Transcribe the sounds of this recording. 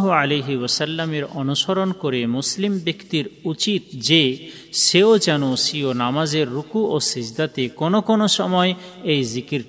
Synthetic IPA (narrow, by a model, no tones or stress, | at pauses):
ɦualejɦiwɔsalːameɾɔnuʃoɾonkoɾemuslimbekt̪iɾut͡ɕit̪̚d͡ʑe | ʃeod͡ʑɛnoʃionamad͡ʑeɾːukuosid͡ʑd̪at̪ekonokonoʃɔmɔe | ejzikiɾ